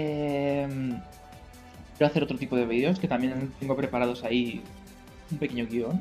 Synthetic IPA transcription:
em | kjeɾoaθe̞ɾo̞t̪ɾot̪ipo̞ð̞e̞β̞iðeo̞ske̞t̪amjẽ̞nt̪eŋɡo̞pɾe̞paɾaðo̞sai | umpeke̞ɲoɣio̞n

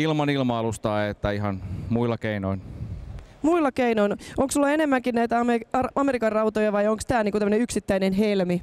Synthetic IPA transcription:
ilmɑnilmɑɑlust̪ɑiet̪ːæiɦɑnmuilːɑkeinoin | muilːɑkeinoinoŋksulːɑenemːæŋkinnæit̪æɑmeɑɑmeɾikɑrrɑwt̪ojɑʋɑjoŋkst̪æːlniŋkut̪æmːəneyksit̪ːæinenɦelmi

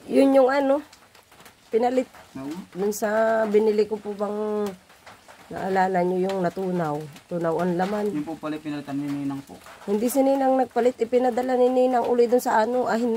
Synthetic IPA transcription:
jʊnjʊŋʔano | pɪnɐlɪt̪̚d̪ʊnsabɪnɪlɪkopʊbaŋ | na̰ʔalaːnanɲojʊŋnɐt̪uːnawt̪uːnawanlamanpopalɪpɪnɐlɪt̪ɐnninaŋpohɪnd̪ɪsɪninaŋnɐɡ̚palɪt̪̚ʔɪpɪnɐd̪alanɪninɐŋʔʊlɪd̪ʊnsɐʔanoʔaɦɪn

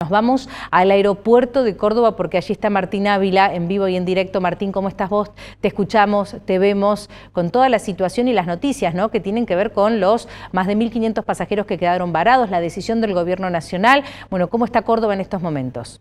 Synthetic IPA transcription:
ozβamo̞salaeɾo̞pweɾt̪o̞ðeko̞ɾðo̞βapo̞ɾkeaʒie̞st̪amaɾt̪inaβilaembiβoie̞nd̪iɾek̚t̪o̞maɾt̪iŋkomoe̞st̪aɦβo̞st̪eːskut͡ʃamo̞st̪eβe̞mo̞s | ko̞nt̪o̞ðalasit̪wasjo̞nilazno̞t̪isjasno̞ke̞t̪jene̞ŋke̞β̞e̞ɾko̞nlo̞smazðe̞milkinje̞nt̪ospasaxeɾo̞ske̞keðaɾo̞mbaɾað̞o̞slað̞e̞sisjo̞nd̪e̞lɣo̞βjeɾno̞nasjo̞nalbweno̞ko̞moe̞st̪ako̞ɾð̞o̞βaenest̪o̞zmõ̞mẽ̞nt̪o̞̰s

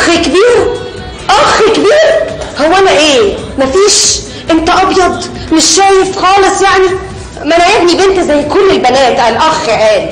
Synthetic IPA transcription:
xikebiːɾ | ʔɑxikebiːɾhowːænæʔeː | mæfiːʃ | ʔent̪æʔɑbjɑd̪ˤ | meʃːæːjefxɑːlesˤjaʕni | mænæjæbnibent̪æzæjːkolːelbænæːt̪ʔælʔɑxæʔæːli

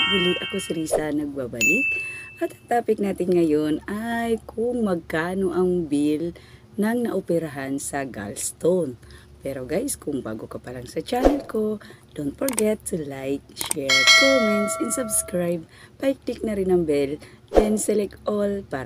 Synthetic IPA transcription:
ɡʊliʔɐkosɪɾisɐnɐɡ̚babɐlit̪̚ʔɐt̪ɐt̪aːpɪk̚naːt̪ɪnŋɐjonajkʰʊŋmɐɡ̚kaːnoʔɐŋbil | nɐŋnɐʔopɛɾaɦansɐɡa̰lst̪on | pɛɾoɡajskʊŋba̰ːɡokɐpɐlaŋsɐt͡ʃaːnɛlko̞d̥̪ont̪̚fɔɹɡɛt̪ʰːulajk̚ʃɛɹkomɛnt̪sɛnsɐbskɹajb̚pajk̚lɪk̚nɐɾɪnɐŋbɛlʔɛnsɛlɛkʔolpa

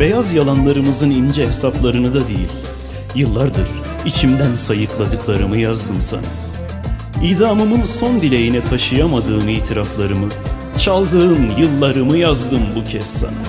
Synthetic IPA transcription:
b̥e̞jazjalˠanlˠaɾɯmɯzɯnind͡ʒɛɦesaplˠaɾɯnɯd̪ad̪ḛjḭlʲ | jɯlˠːaɾd̪ɯ̰ɾ | it͡ʃʰimd̪ænsajɯklˠad̪ɯklˠaɾɯmɯjazd̪ɯmsa̰na̰ | id̪aːmɯmɯnso̞nd̪ilʲe̞jinɛt̪ʰaʃɯjamad̪ɯːmiːt̪ʰiɾaflˠaɾɯmɯ | t͡ʃʰalˠd̪ɯɯnjɯlˠːaɾɯmɯjazd̪ɯmbucʰɛsːa̰na

